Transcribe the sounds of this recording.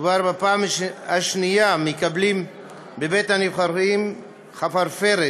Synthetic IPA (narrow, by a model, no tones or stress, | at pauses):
vaɾbapaːmhaʃnijamekablim | bebet̪hanivχaɾim | χafaɾfeɾe